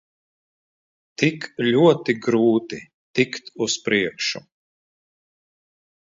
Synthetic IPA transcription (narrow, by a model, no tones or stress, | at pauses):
t̪iklʲuɔt̪iɡɾuːt̪i | t̪ikt̪uspɾiɛkʃu